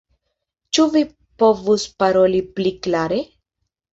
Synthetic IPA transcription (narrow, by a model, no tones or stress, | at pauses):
t͡ʃuvi | po̞vuspaɾolipliklaɾe̞